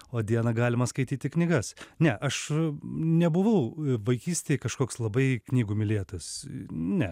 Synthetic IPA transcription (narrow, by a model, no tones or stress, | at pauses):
oːd̪ʲiɛnɐɡɑːlʲɪmɐskɐɪt̪ʲiːt̪ʲɪknʲɪɡɐsnʲɛʔɐʃ | nʲɛbʊʋɐʊʋɐɪkʲiːsʲt̪ʲeːjkɐʃkoːkslˠɐbɐɪknʲiːɡuːmʲɪlʲeːt̪ɐsnʲɛ